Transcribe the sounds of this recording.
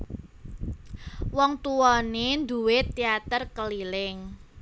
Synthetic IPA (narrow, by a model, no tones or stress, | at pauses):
wɔŋt̪uwɔnend̪uwet̪iat̪ərkəlilɪŋ